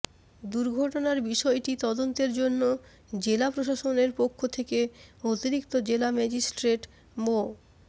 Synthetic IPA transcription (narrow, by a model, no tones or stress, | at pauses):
d̪uɾɡʱɔʈonaɾbiʃɔeʈit̪ɔd̪ont̪eɾd͡ʑonːo | d͡ʑelapɾoʃaʃoneɾpokʰːot̪ʰekeot̪iɾikt̪od͡ʑelamɛd͡ʑisʈɾeʈ | mo